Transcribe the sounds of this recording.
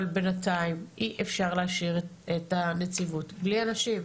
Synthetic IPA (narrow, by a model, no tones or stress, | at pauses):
lbenataimʔiʔefʃaʁleaʃiʁ | etane̞t͡sivutblianaʃim